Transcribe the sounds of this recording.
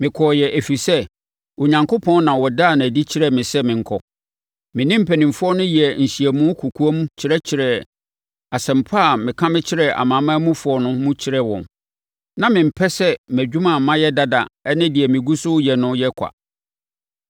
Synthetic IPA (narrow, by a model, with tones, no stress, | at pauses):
mɪ̃˨kʰɔ˨jɛ˨ʔæ˨fi˨sɛ˦ | o˨ɲã˨ŋkʰo˦pʰɔ̃˦n˦nã˨wɔ˨da˦˨nã˨æ˨di˦t͡ɕʰɪ˦ɾɛ˨mɪ̃˨sɛ˦mɪ̃˨ŋ̩˨kʰɔ˨ | mɪ̃˨nɪ̃˦m̩˦pʰæ˨nĩ˨mfʊ˦ɔ˦nʊ̃˦jɛ˨n̩˨ɕi˨ɛ˨mũ˦kʰu˨kʰu˦ɔ˦mũ˦t͡ɕʰɪ˨ɾɛ˦t͡ɕʰɪ˨ɾɛ˨ | a˨sɛ̃˨m̩˨pʰa˦˨mɪ̃˨kʰã˦mɪ̃˦t͡ɕʰɪ˦ɾɛ˨a̰˨mãː˨˦mã˦mũ˦fʊ˨˦ɔ˨nʊ̃˦mũ˦t͡ɕʰɪ˦ɾɛ˦wɔ̰̃˨n | nã˦mɪ̃˨m̩˨pʰɛ˦sɛ˦mæ˨d͡ʑᶣu˦mã˨mã˦jɛ˦da˦da̰˨ɛ˦nɪ̃˦dɪ˨ɛ˨mɪ̃˨ɡu˦sʊ˦jɛ˨nʊ̃˦jɛ˦kʷʰa̰˨